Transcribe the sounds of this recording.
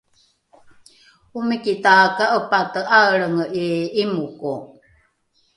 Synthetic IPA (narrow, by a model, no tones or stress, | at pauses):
umikitakaʔəpatəʔaəɭəŋəʔiimuku